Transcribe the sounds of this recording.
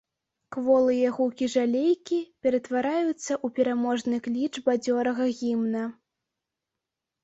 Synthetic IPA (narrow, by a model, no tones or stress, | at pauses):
kvɔlˠɨjɐɣukʲiʐalʲejkʲipʲɛɾɐt̪vaɾajut̪sːɐʔupʲɛɾamɔʐnɨklʲit͡ʂbad͡zʲɔɾɐɣɐɣʲimnɐ